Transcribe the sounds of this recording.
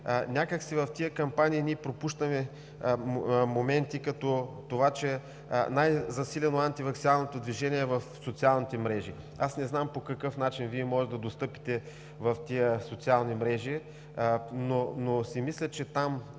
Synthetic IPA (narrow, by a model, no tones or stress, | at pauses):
nʲakəksivɐft̪iəkɐmpaniːniɛpɾopuʃt̪əmɛ | momɛnt̪ikɐt̪ɔt̪ovat͡ʃɛ | najzɐsilʲɛnoant̪ivɐksinalˠnot̪od̪viʒɛniɛvɐfsot̪sialˠnit̪ɛmɾɛʒi | asnɛznampokɐkɤfnat͡ʃinviɛmɔʒɛd̪ɐd̪ost̪ɤpi̥t̪ɛ | vɐft̪iəsot̪sialˠnimɾɛʒi | nonosimislʲət͡ʃɛt̪am